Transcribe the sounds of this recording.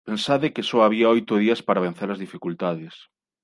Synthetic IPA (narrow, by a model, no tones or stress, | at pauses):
pensaðɪkesɔaβiɐojt̪ʊð̞iɐspaɾaβẽn̟θeɾɐzðifikult̪aðɪs